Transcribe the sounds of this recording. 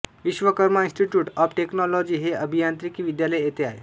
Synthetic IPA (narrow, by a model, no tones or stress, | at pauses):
ʋiɕʋəkəɾmaĩnsʈiʈjuːʈɔpʈeknɔlɔd͡ʑiːɦeəbʱijant̪ɾikiːʋid̪jaləjjet̪eaɦḛ